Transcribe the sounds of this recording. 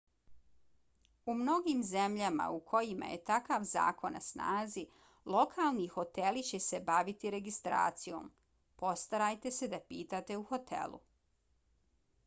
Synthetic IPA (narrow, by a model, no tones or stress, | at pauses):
umno̞ɡiːmze̞mʎama̰ukʰo̞jima̰jḛt̪akaʋza̰ːko̞nːa̰sna̰ːzi | lˠo̞kʰalˠnixo̞t̪e̞lit͡ɕe̞se̞baʋit̪iɾe̞ɡist̪ɾa̰ːt̪sijo̰ːm | po̞st̪aɾajt̪e̞se̞d̪apiːt̪at̪e̞uxo̞t̪ʰḛlˠṵ